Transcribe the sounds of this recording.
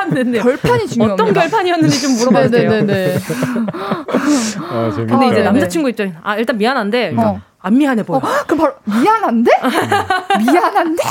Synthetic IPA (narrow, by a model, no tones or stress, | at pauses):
nːendeʌɭpʰjʌɲit͡ɕiʌt͈ʌnkjʌɭpʰaɲijʌnːɯnd͡ʑit͡ɕomːoɾʌmʌneene | kɯnnde̞id͡ʑe̞namd͡ʑat͡ɕʰinɡuip̚t͡ɕ͈aŋina̰iɭt͈anmianɦannde̞ | anːiɦanɦe̞bokɯpamianɦande | mianande